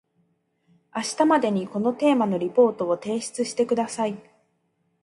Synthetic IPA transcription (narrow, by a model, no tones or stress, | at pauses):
aɕi̥t̪amad̪e̞ɲ̟iko̞no̞t̪e̞ːmano̞ɾʲipo̞ːt̪o̞ot̪e̞ːɕi̥t͡sɨɕi̥t̪e̞kɯd̪asai